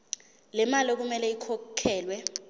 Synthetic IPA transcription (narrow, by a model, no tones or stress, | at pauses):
lɛmalɔk̬umɛlɛikʰɔkʰɛːlwɛ